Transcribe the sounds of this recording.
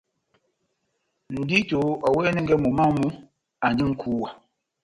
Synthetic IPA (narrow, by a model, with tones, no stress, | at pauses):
n̩˨di˦to˨˦ɔ˨wɛ˦nɛ˦ŋ̩˦ɡɛ˦mu˨ma˦mu˦ | a˨nd͡ʒi˦ŋ̩˦kʰu˦wa˨